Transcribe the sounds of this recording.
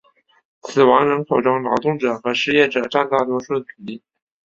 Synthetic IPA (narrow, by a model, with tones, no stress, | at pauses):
t͡sʰɹ̩˨˩wɑ˧˥ŋɻə˧˥ŋkʰo˨˩ʊʈ͡ʂɑ˥ŋlɑ˧˥ʊt̪ʊ˥˩ŋʈ͡ʂɤ˨˩xɤ˧˥ʂɻ̩˥˧jɛ˥˩ʈ͡ʂɤ˨˩ʈ͡ʂa˥˧nt̪a˥˩t̪wɔ˥ʂu˥˩d̪ə˩u˨˩li˥˩